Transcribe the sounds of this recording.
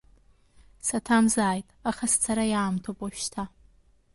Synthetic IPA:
satʰamzaːjtʼaχast͡sʰaɾajaːmtʰopʼaʃtʰa

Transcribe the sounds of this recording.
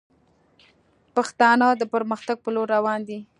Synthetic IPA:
paxt̪ɑnəd̪əpəɾməxt̪aɡ̚pəloɾːawɑnd̪i

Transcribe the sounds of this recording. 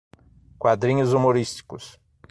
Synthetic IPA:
kwad̪ɾĩɲʊzumoɾist͡ʃi̥kʊs

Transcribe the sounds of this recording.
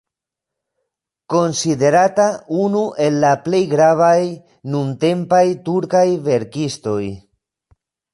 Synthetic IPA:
ko̞nside̞ɾataunuʔe̞lːaple̞jɡɾavaj | nunte̞mpajtuɾkajve̞ɾkisto̞j

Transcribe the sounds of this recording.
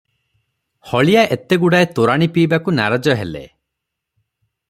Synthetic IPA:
hɔɭijaʔet̪eɡuɽaet̪oɾaɽ̃ipiːbakunaɾad͡ʒɔɦelḛ

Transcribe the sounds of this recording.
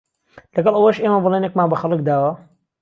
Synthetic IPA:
lɐɡɐlˠʔɐwɐʃʔeːmɐbɨlˠeːnekmaːnbɐxɐlˠɨk̚d̪aːwɐ

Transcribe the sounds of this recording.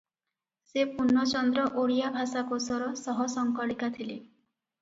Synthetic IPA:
sepunːɔt͡ʃɔnd̪ɾɔʔoɽijabʱasakosɔɾɔsɔɦɔsɔŋkɔɭikat̪ʰile

